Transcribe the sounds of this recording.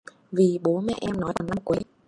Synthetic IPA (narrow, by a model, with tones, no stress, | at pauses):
vi˨˩ɓo˨˦nmɛ̰˧˨ʔɛ˧mnɔ˨˦jt̪a˨˩na˧m˨˩kwə˨˦